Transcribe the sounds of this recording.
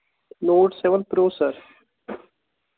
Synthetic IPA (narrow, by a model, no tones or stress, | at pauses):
noːʈseʋənpɾoːsəɾ